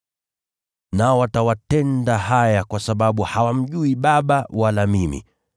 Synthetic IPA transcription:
naɔwatawatɛndaɦajakwasaɓaɓuhawam̩ʄuiɓaɓawalamimḭ

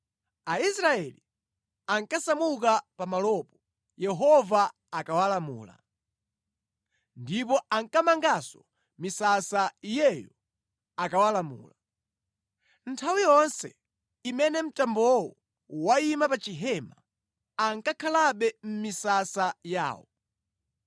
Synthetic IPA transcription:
aisɾaɛli | aŋkasamuk̬apamalɔpɔ | jɛɦɔva | akawalamṵːla̰ | ndip̬ɔaŋkamaŋɡasɔ | misasaijɛjɔ | akawalamṵːla | ntʰawijɔnsɛ | imɛnɛm̩tambɔwɔ | waimapat͡ʃiɦɛma | aŋkakʰalaɓɛm̩misasaja̰ːwɔ̰

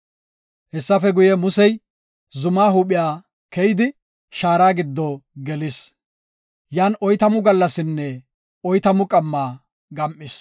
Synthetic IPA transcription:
hɛsːɐfɛɡʊjɛmʊsɛj | zʊmaːɦuːɓɪjaː | kɛjɪd̪ɪ | ʃaːɾaːɡɪd̪ːɔɡɛlɪs | jaːnʔɔjt̪ɐmʊɡɐlːɐsɪnːɛ | ɔjt̪ɐmʊkʼɐmːaː | ɡɐmʔɪs

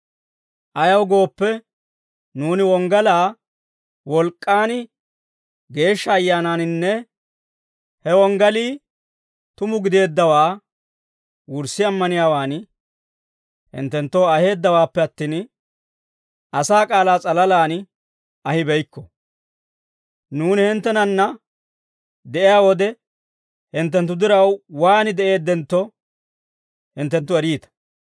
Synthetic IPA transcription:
ʔɐjɐwɡo̞ːpːɛ | nuːnɪwɔŋɡɐlaː | wɔlkʼːaːn | ɡe̞ːʃːɐːjːaːnaːnnːɛ | hɛwɔŋɡɐliː | t̪ʊmʊɡɪd̪e̞ːd̪ːɐwaː | wʊɾsɪɐmːɐnɪjaːwaːn | hɪ̰nt̪ːɛnt̪ːoːɐhe̞ːd̪ːɐwaːpːɛɐt̪ːiːn | ɐsaːkʼaːlaːt͡sʼɐlɐlaːn | ɐhɪbɛjkːɔ | nuːnɪhɪnt̪ːɛnɐnːɐ | d̪ɛʔɪjaːwɔd̪ɛ | hɪnt̪̬ːɛnt̪ːʊd̪ɪɾɐwwaːnɪd̪ɛʔe̞ːd̪ːɛnt̪ːɔ | hɪnt̪ːɛnt̪̬ːʊɛɾiːt̪ɐ̥

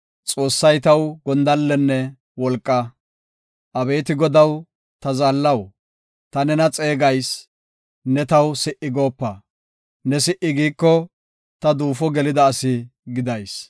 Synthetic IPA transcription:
t͡sʼo̞ːsːɐjt̪ɐwɡɔnd̪ɐlːɛnːɛ | wɔlkʼːɐ | ʔɐbe̞ːt̪ɪɡɔd̪ɐw | t̪ɐzaːlːɐw | t̪ɐnɛnɐt͡sʼe̞ːɡɐjs | nɛt̪ɐwsɪʔɪɡo̞ːpːɐ | nɛsɪʔɪɡiːkːɔ | t̪ɐd̪uːfɔɡɛlɪd̪ɐːsɪɡɪd̪ɐjs

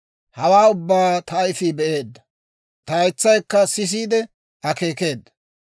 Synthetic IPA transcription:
hɐwaːʊbːaːt̪ɐːjfibɛʔe̞ːd̪ːɐ | t̪ɐjt͡sːɐjkːɐsɪs̬iːd̪ɛ | ɐke̞ːke̞ːd̪ːɐ̥

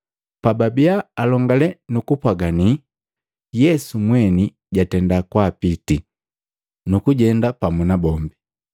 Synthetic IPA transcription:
pababiaːlɔŋɡalɛnukupwaɡani | jɛsumwɛni | ɟatɛndakwapiti | nukuɟɛndapamunabɔmbi

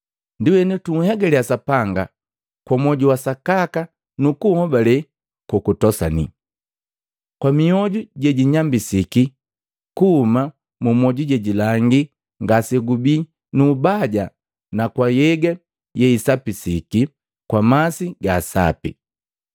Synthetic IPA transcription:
ndiwɛnɛtuŋ̩hɛɡɛlɛasapaŋɡa | kwamɔɟuwasakaka | nukuhɔbalɛ | kɔkutɔsa̰ni | kwamiɔɟuɟɛɟiɲambisiki | kuhːma | mumɔɟuɟɛɟilaŋɡi | ŋɡasɛɡubi | nuːbaɟa | nakwajɛɡɛ | jɛisapisiki | kwamasiɡaːsa̰pḭ

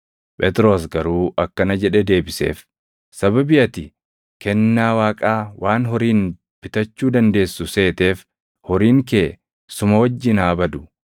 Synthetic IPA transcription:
pʼɛt̪ɾo̞ːs̬ɡɐɾuːʔɐkːɐnɐd͡ʒɛᶑɛd̪e̞ːbɪsḛːf | sɐbɐbɪʔɐt̪ɪ | kɛnːaːwaːkʼaːwʔaːnɦɔɾiːn | b̥ɪt̪ɐt͡ʃːuːd̪ɐnd̪e̞ːsːʊse̞ːt̪e̞ːf | hɔɾiːŋkeː | sʊmɐwɐd͡ʒːɪnaːbɐd̪ʊ̥

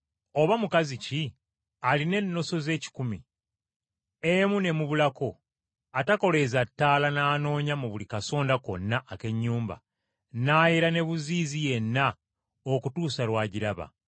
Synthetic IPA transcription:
o̞βamukazici | aline̞nːo̞so̞ze̞ːci̥kumḭ | emune̞muβulako̞ | atako̞le̞zatːaːlanaːno̞ːɲamuβulikaso̞ːndako̞̰nːaʔːke̞ɲːuːmba̰ | naːjeɾane̞βuziːzije̞nːa | okutuːsalwaːɟiɾaβa̰

